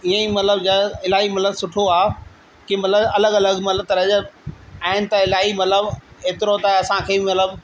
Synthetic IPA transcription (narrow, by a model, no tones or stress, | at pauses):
iə̃imɐt̪ləbd͡ʑəɪlaːɦimɐt̪ləbsʊʈʰoaː | kimɐt̪ləbɐləɡɐləɡmɐt̪lət̪ɐɾɐd͡ʑəaːɪnɪ̆t̪ɐɪlaːimɐt̪ləbeːt̪ɪɾot̪ɐɐsãkʰeːmɐt̪ləb